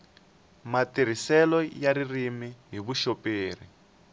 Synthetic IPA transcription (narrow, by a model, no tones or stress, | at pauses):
matiɾ̤isɛlɔjaɾirimiɦiβuʃopeːr̤i